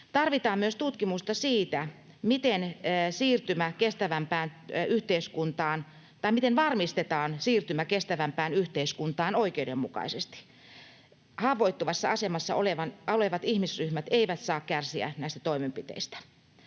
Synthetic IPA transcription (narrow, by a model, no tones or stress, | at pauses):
t̪ɑrʋit̪ɑːmmyøst̪ut̪kimust̪ɑsiːt̪æ | mit̪ensiːrt̪ymækest̪æʋæmpæːnyht̪eiskunt̪ɑːn | t̪ɑimit̪enʋɑrmist̪et̪ɑːnsiːrt̪ymækest̪æʋæmpæːnyht̪eiskunt̪ɑːnoikeudemːukɑ̰isest̪i̥ | hɑʋˑoit̪ːuʋɑsːɑɑsemɑsːɑ̰oleʋɑnoleʋɑt̪ihmisryhmæt̪eiʋæt̪sɑːkkærsiæ̰næˑist̪æ̥t̪oimempit̪ḛist̪æ̥